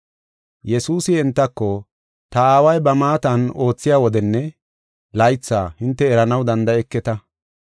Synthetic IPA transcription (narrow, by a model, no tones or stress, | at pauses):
jɛsuːsɪɛnt̪ːɐkːɔ | t̪ɐaːwɐjbɐmaːt̪ɐno̞ːt͡sːɪjaːwɔd̪ɛnːɛ | lɐjt͡sːaːhɪnt̪ːɛːɾɐnɐwd̪ɐnd̪ɐɛkːɛt̪ɐ